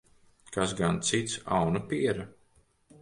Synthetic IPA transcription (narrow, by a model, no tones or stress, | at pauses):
kasɡant̪sit̪sa̰wnapiɛɾa